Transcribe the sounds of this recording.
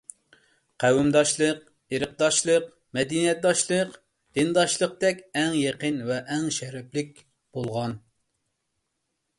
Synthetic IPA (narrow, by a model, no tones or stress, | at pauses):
qʰæwɪmd̪ɑʃlˠəq̚ | eɾɨq̚d̪ɑʃlˠəq | mɛd̪inijɛt̪̚d̪ɑʃlˠəq | d̪̥ɨnd̪ɑʃlˠəq̚t̪ɛkʲɛŋjeqənvɛʔɛŋʃɛɾɛplɪk̚ʲ | b̥olˠʁɑn